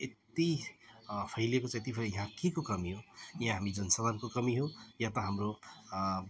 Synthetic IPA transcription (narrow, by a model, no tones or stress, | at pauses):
et̪i | pʰʌjlekot͡sãet̪ipʰeɾʌjʌɦãkekokʌmiɦojɦãɦamid͡zʌnsʌbankokʌmiɦojãt̪ʌɦamro